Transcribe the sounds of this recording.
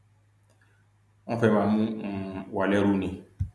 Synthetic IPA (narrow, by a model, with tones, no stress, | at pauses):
ã˦fɛ˦ma˨mũ˦˨wa˨lɛ˦ɾu˦nĩ˨